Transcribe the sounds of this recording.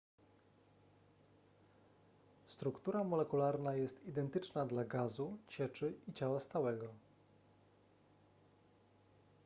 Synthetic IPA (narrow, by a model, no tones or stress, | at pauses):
st̪ɾukt̪uɾamɔlɛkulaɾnajɛst̪id̪ɛnt̪ɘt͡ʂnad̪laɡazut͡ɕɛt͡ʂɘit͡ɕawast̪awɛɡɔ